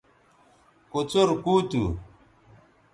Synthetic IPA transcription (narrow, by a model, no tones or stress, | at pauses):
kot͡soɾkuːt̪ṵ